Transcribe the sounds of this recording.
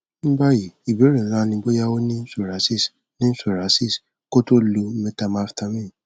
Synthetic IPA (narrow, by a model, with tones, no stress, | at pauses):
m̩˦ɡ͡ba˦ji˨i˨bi˨˦ɾẽ˨lã˦nĩ˧˦ɡ͡bo˦ja˦wo˦nĩ˦n̩˦so˦˨ɾa˨˦si˦˨s | nĩ˦n̩˦so˦˨ɾa˨˦si˦˨s | ko˦to˦lu˧˦mɛ˧ta˧ma˧˦fta˧mĩ˦˨